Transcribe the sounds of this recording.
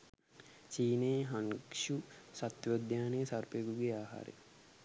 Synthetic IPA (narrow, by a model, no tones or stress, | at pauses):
t͡ʃiːneɦɐŋkʂusɐt̪ʋod̪ʱjaːnejsɐɾpejɡuɡeaːɦa̰ːɾḛ